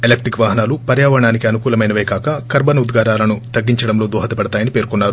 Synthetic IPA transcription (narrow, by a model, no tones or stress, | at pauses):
elek̚ʈikʋaːɦɐnaːlupɐɾjaːʋɐɳaːnikiɐnukuːlɐmɐjnɐʋɐjkaːkɐkɐɾbɐnud̪ɡaːɾaːlɐnut̪ɐɡːiɲt͡ʃɐɽɐmlo̞ːd̪ɔːɦɐt̪ɐpɐɽɐt̪aːjɐnipe̞ːɾkunːaːɾu